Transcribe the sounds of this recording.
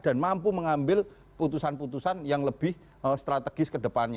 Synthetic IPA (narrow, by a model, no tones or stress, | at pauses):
d̥a̤nmampuməŋambɪl | put̪usanput̪usanjaŋləb̥ɪh | əst̪ɾat̪əɡ̥ɪskədəpanɲa